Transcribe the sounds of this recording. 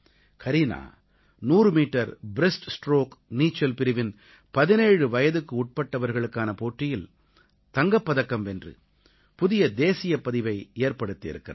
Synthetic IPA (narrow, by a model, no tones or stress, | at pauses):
kʰɐɾina̰ː | nuːrɯmiːʈːɐɾbɪɾɛsʈsʈɾoːkniːt͡ʃːɐlpɪɾɪʋɪn | pɐðɪneːɻɯʋɐjɐðɯkːɯʊʈ̚pɐʈːɐʋɐɾɣɐɭɯkːaːnɐpoːʈrɪjɪl | t̪ɐŋɡɐpːɐðɐkːɐmɛndrɯ̰ | pʊðɪjɐd̪eːsɪjɐpɐðɪʋɐɪeːɾpɐɽɯt̪ːɪɪ̰ɾɯkːɪ̰rɐ̰